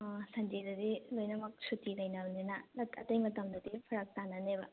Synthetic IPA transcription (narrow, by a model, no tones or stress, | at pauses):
sɐnd͡ʒidɐdilojnɐmɐk̚sutilɐjnɐbninɐlɐtʰɐtɐjmɐtɐmdɐdipʰɐɾɐk̚tanɐnebɐ̰